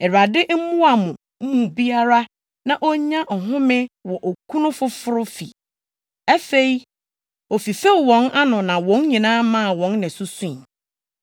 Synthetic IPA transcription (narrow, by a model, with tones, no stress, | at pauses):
ɛ˨ɾa˨dɪ˦ʔm̩˦mʊ̃˦a˨mʊ̃˨ | m̩˦mũ˨bi˦a˦ɾa˦ | nã˨ʔɔ˦ɲã˦ʔɔ˨ɦʊ̃˦mɪ̃˦wɔ˨ʔɔ˨kʰũ˦nʊ̃˦fʊ˦fʊ˦ɾʊ˦fḭ˨ | ɛ˦fe˦˨i˦ | ɔ˨fi˨fe˦˨wɔ̃˨˦na˦nʊ̃˨nã˨wɔ̃˨˦nɲĩ˨nãː˦mã˦˨wɔ̃˨˦nːɪ̃˨sʊ˦sũ˦˨